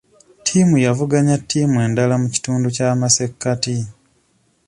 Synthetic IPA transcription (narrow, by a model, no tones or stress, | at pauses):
tʰiːmujavuɡaɲatːiːmwe̞ːndalamuci̥tuːnducaːmase̞kːati